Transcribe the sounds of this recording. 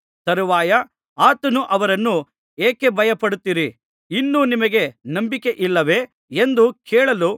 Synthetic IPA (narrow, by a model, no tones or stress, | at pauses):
t̪ɐɾuʋaːjɐ | aːt̪ɐnuʔɐʋɐɾɐnːu | eːke̞bʱɐjɐpɐɽut̪ːiːɾi | inːunimɐɡe̞nɐmbike̞ʔilːɐʋe̞ː | end̪ukʰɛːɭɐlu